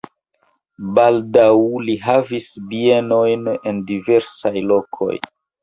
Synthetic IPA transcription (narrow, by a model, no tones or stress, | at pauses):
baldawliɦavisbie̞no̞jne̞ndive̞ɾsajlo̞kʰo̞̰j